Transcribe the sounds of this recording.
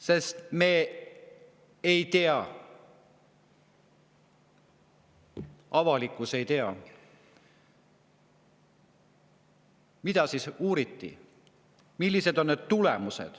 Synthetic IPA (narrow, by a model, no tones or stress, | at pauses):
se̞st̪me̞ | ejt̪eɑ | ɑvɑlikːˑuse̞jt̪eɑ | mid̪̥ɑsisuːɾit̪ːḭ | milːise̞d̪o̞nne̞d̪̥̚t̪ulemuse̞̰d̪̥